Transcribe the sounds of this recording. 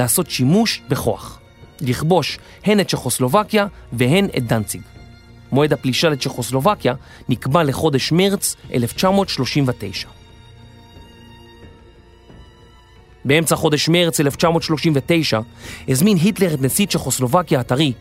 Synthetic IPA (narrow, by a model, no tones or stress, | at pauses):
aːso̞tʃimuʃbeχo̞a̰χ | liχbo̞ʃ | he̞nett͡ʃeχo̞slo̞vakjaveɦe̞net̚d̪ant͡siɡ | mo̞e̞dhapliʃalett͡ʃeχo̞slo̞vakja | nikbale̞χo̞deʃmeʁt͡sʔeleft͡ʃamo̞tʃlo̞ʃimvetejʃḁ | bee̞mt͡saχo̞de̞ʃmeʁt͡sele̞ft͡ʃamo̞tʃlo̞ʃimvete̞jʃahezminɦitle̞ʁetnesit͡ʃeχoslo̞vakjaːtaʁi